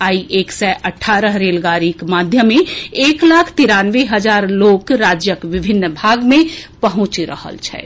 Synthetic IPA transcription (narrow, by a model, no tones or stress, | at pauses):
aːiʔeːksɛʔəʈʰaːɾəɦɾeːlɡaːɾikmaːd̪ʱjəmẽeːklaːkʰt̪iɾaːnʋeɦəd͡ʒaːɾloːkɾaːd͡ʒjəkʋɪbʱɪnːbʱaːɡmẽpəɦʊ̃t͡ʃɾə̰hə̰lt͡ʃʰɛ̰ː